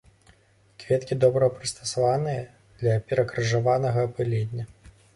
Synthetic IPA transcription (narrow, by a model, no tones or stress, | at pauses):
kvʲɛt̪kʲid̪ɔbɾɐpɾɨst̪ɐ̥savanɨjɐ | d̪̥lʲɐpʲɛɾɐkɾɨʐavanɐɣɐːpɨlʲɛdʲnʲːɐ